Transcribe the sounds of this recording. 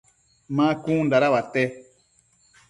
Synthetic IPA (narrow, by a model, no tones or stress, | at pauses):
mãkũndaɾawatɛ